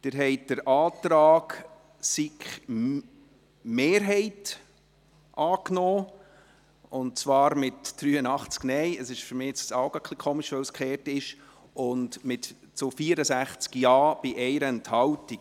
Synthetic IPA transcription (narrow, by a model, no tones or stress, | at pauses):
d̥ɪɾɦɛɪtd̥əɾʔɑːtɾɑːk | sikχ | meːɾɦɛɪt | ʔɑːknɔː | ʊnt̚t͡svɑːɾmɪtd̥ɾyːənɑχt͡sknɛɪəsɪʃfʏɾmɪːɪt͡ssɑʊɡɑkʰlikʰoːmɪʃʋɛwskχɛːɾtɪʃ | ʊndmɪt | t͡sofiːəɾəsæχt͡skjɑːb̥ɪʔɛɪɾəɛnthɑwtik